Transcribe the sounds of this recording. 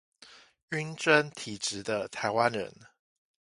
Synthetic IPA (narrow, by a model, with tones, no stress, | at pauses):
y˥nʈ͡ʂə˦nt̪ʰi˨˩ʈ͡ʂɻ̩˨˦d̪ə˧t̪ʰa˨˥ɪwa˦nɻə̰˧˦n